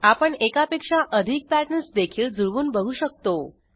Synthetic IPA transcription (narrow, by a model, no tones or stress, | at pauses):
apəɳekapekʂaʔəd̪ʱik̚pæɾʈnəɾsd̪ekʰiːɭd͡zuɭʋuːnbəɡʱuːɕək̚t̪o